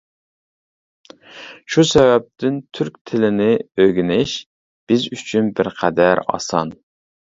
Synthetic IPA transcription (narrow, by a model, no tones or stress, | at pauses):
ʃusɛvɛp̚t̪ʰɪnt̪ʰyɾkʲt̪ʰɪlɪnɪøɡʲinɪʃ | b̥ɪzyt͡ʃʰynbɪɾqʰæd̪æɾɑ̰sɑ̰n